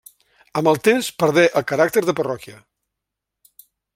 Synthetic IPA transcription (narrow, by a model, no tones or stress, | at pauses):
əməlˠt̪emspəɾð̞ɛʔəlˠkəɾak̚t̪əɾðəpərɔkiə